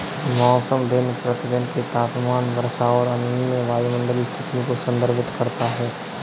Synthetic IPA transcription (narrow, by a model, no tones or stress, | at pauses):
mɔːsəmd̪ɪnpɾɐt̪ɪd̪ɪnket̪aːpmaːnʋɐɾsaɔːɾɐnʊnijə̃ʋaːimə̃ɳɖəlist̪ʰɪt̪ijõkosɐ̃nd̪əɾbɪt̪kɐɾt̪aɦɛː